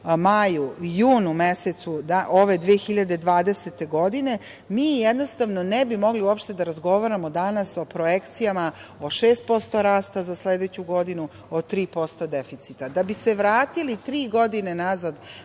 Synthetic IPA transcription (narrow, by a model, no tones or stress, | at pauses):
majujuːnumeset̪sud̪aʔoʋe̞d̪ʋeːxiʎad̪e̞d̪ʋaːd̪eset̪e̞ɡo̞d̪ine̞ | miːjed̪no̞st̪aʋno̞nebimo̞ɡliuopʃt̪e̞d̪aɾazɡo̞ʋaɾamo̞d̪anaso̞pɾojekt̪sijamao̞ʃeːst̪̚po̞st̪o̞ɾaːst̪azasled̪et͡ɕuɡo̞d̪inu | ot̪ɾiːpo̞st̪o̞d̪efit̪sit̪ad̪abise̞ʋɾaːt̪ilit̪ɾiːɡo̞d̪ine̞nazad̪